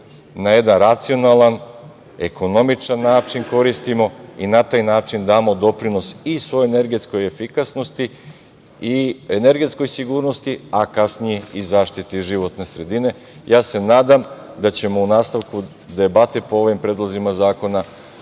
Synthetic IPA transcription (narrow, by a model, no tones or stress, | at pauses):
naje̞d̪anɾat̪sio̞nalan | e̞ko̞no̞mit͡ʃanːaːt͡ʃinko̞ɾist̪imo̞inat̪aːjnaːt͡ʃind̪aːmo̞d̪o̞pɾino̞sisʋo̞joene̞ɾɡe̞t̪sko̞je̞fikasno̞st̪i | iene̞ɾɡe̞t̪sko̞jsiɡuːɾno̞st̪iakasnije̞izaːʃt̪it̪iʒiʋo̞t̪ne̞sɾe̞d̪ine̞ | jaːse̞naːd̪amd̪at͡ɕe̞mo̞unaːst̪aʋku | d̪e̞bat̪epo̞o̞ʋimpɾed̪lˠozimazaːko̞na